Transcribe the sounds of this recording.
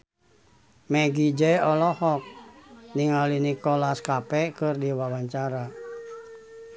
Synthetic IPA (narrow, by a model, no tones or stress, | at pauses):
mɛɡid͡ʒɛɔlɔhɔk̚niŋalinikɔlaskapɛkɨrdiwawaɲt͡ʃaɾa